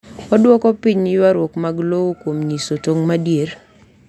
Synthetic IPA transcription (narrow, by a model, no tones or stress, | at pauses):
ɔdwɔkɔpiɲɪjwaɾwɔkmaɡlowokwomɲisotoŋmadjeɾ